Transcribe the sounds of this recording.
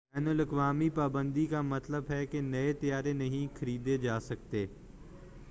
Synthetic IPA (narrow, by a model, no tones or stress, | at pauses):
bɛːnəlɐkʋaːmipaːbə̃nd̪ikamɐt̪ləbɦɛkenɐet̪ijaːɾenɐɦĩxʰɐɾiːd̪ed͡ʒaːsɐk̚t̪eː